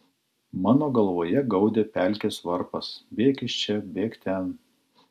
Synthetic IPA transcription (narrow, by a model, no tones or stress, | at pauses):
mɑːnoːɡɐlˠʋoːjɛɡɒʊd̪ʲeːpʲæˑlʲkʲeːsʋɐɾpɐsbʲeːkɪʃt͡ʃʲɛbʲeːkt̪ʲɛn